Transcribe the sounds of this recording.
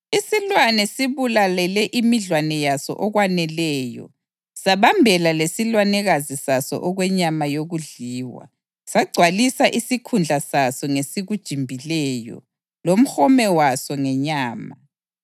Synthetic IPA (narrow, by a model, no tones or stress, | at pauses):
isilwanɛsiβulalɛlɛʔimiɮwanɛjasɔ̰ʔɔɣwanɛlɛːjɔ̰ | saβambʱɛlalesilwanɛɣazisasɔ̰ʔɔɣwɛɲamajoɣuɮiːwa̰ | saɡ͡ǀʱwalisaʔisikʰund͡ɮʱasasɔŋesiɣud̥ʒ̥ʱimbʱilɛːjɔ̰ | lom̩xɔmɛwasɔŋɛɲaːma